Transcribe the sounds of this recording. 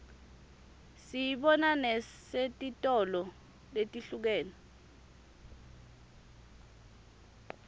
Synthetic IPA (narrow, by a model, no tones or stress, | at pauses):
sijiɓɔnanɛsetʼitʼɔlɔ | letʼiɬuk̬ɛːnɔ